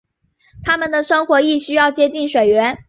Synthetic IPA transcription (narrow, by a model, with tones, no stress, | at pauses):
t̪ʰa˥mə˨nd̪ə˩ʂɤ˥ŋxwɔ˧˥i˥˩ɕy˥jɑ˥˩ʊt͡ɕjɛ˥t͡ɕi˥˩nʂwe˨˩ɪɥɛ˧˥n